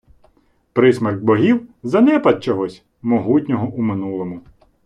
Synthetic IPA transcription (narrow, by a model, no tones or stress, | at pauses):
pɾɪsmɐrɡbɔɦʲiwzɐnɛpɐt̪̚t͡ʃɔɦɔsʲ | mɔɦutʲnʲɔɦɔʔumɪnulˠɔmʊ